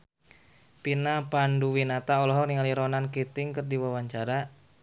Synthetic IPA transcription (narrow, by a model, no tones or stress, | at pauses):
pinapanduwinat̪aɔlɔɦɔniŋaliɾɔnankit̪ɪŋkɨrdiwawaɲt͡ʃaɾa